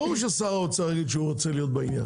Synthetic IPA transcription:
omʃ̬esaʁaut͡salaɡid̪ʃeuʁot͡selijo̞t̪̚bainja̰

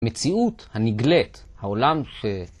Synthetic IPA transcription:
met͡siuthaniɡlet̪haolamʃe

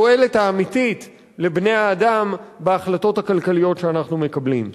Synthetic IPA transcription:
oe̞lethaːmitit | le̞bne̞jaːdambeaχlato̞thakalkalijo̞tʃeanaχnume̞kablim

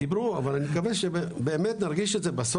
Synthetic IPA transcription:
ibɾuavalanikaveʃebebeːmet̪naʁɡiʃetzebas

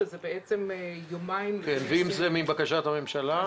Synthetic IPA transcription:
zebeet͡semjomaimkenveimzemimbakaʃat̪hame̞mʃala

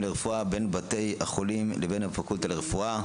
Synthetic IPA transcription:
leʁefuabe̞nbate̞jhaχolimlebe̞nhafakult̪aleʁefua

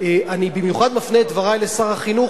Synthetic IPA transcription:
eʔanibimjuχad̪mafneːt̪dvaʁajlesaχaχinu

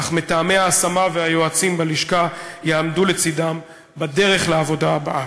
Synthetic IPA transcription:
χmet̪aːme̞aːsamavehajo̞at͡simbaliʃkajeamdule̞t͡sidam | bade̞ʁe̞χleavo̞daːbaʔa

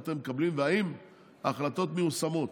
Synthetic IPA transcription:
t̪emːekablimveaim | aχlat̪o̞t̪meusamo̞t

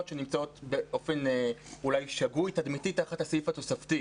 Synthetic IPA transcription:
otʃenimt͡sao̞tbe̞ʔo̞fe̞nulajʃaɡujtadmititaχathasifato̞safti

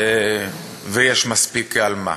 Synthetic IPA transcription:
vejɛʃmaspikalma̰

